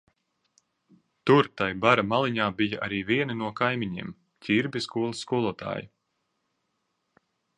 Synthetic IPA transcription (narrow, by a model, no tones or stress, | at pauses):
t̪uɾt̪ajbaɾamalˠiɲaːbijaʔaɾiːviɛninuɔkajmʲiɲḭːm | cʲiɾbʲiskuɔlˠasːkuɔlˠuɔt̪ʰa̰ːji